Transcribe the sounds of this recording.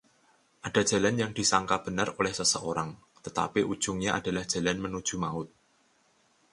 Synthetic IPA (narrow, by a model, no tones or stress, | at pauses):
ʔad̥a̤̥ʒ̥a̤lanjaŋd̥i̤saŋkab̥ə̤nərolɛhsəsəʔoɾaŋ | t̪ət̪a̰piʔud̥ʒ̥ʊŋɲaʔa̰d̥a̤lahd̥ʒ̥ä̤lanmənud̥ʒ̥ṳmaʊt̪̚